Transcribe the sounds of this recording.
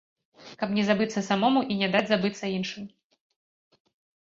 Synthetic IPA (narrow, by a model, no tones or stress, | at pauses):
kɐpnʲɛzabɨt̪sːɐsamɔmuʔinʲɛd̪ad͡zʲzabɨt̪sːɐinʂɨm